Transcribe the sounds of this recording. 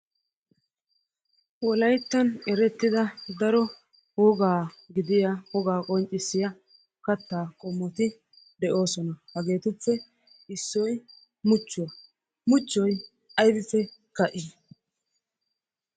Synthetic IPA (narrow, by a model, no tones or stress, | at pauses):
wɔlɐjt̪ːɐnɛɾɛt̪ːɪd̪ɐd̪ɐɾɔ | wɔɡaː | ɡɪd̪ɪjawɔɡaːkʼɔnt͡ʃʼːɪsːɪjɐ | kɐt̪ːaːkʼɔmːɔt̪ɪ | d̪ɛʔo̞ːsɔnɐhɐɡe̞ːt̪ɛt͡sːɛ | ɪsːɔj | mʊt͡ʃːʊwɐ | mʊt͡ʃːɔj | ɐjd̪ɪsːɛkɐʔɪ